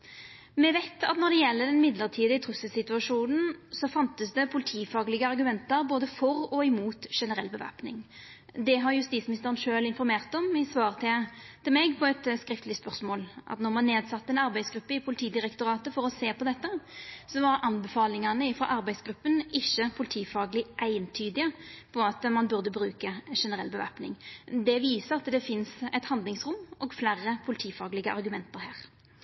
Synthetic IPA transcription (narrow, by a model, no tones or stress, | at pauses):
mɛʋæɪt̪ɑ̰t̪nɔʁd̪ɛjɛlːəd̪ɛnmɪd̪ləʁt̪ʰiːd̪ɪət̪ʰʁʉsːəsɪt̪ʉɑʂuːnn̩sɔfɑnt̪əsd̪ɛpʰʊlɪt̪ʰiːfɑːɡlɪɡəɑʁɡʉmɛnt̪əɾboːd̪əfɔʁɔɪmuːt̪ʂɛnəʁɛlːbəʋæ̰pnɪ̰ŋ | d̪ɛɦɑʁjʉst̪iːsmɪnɪst̪əʁənʂøːlɪnfɔɾmeːʁt̪ɔmɪsʋɑːʁt̪ʰɪt̪ɪlmɛɡpʰɔɛt̪skɾɪft̪lɪspœʁsmoːlʔɑ̰t̪nɔʁmɑnːeːd̪sɑt̪ːəɛnɑɾbæɪsɡɾʉpːəɪpʰʊlɪt̪ʰiːd̪ɪɾɛkt̪ʊɾɑːt̪əfɔɾɔseːpʰɔd̪ɛt̪ːəsɔʋɑɾɑnbɛfɑːlɪŋɑnəɪfʁɑ̰ʔɑɾbæɪsɡɾʉpːənɪçːəpʰʊlɪt̪ʰiːfɑːɡəlɪʔæɪənt̪ʰyːd̪ɪəpʰɔɑt̪mɑnbʉʁd̪əbɾʉːkəʂɛnəʁɛ̰lːbəʋæ̰pnɪ̰ŋd̪ɛʋiːsəɾɑt̪d̪ɛfɪnsɛ̰ɪt̪hɑnd̪lɪŋsʁʊmːɔɡflærːəpʰʊlɪt̪ʰiːfɑːɡlɪɡəʔɑ̰ɾɡʉmɛnt̪əɾɦæːʁ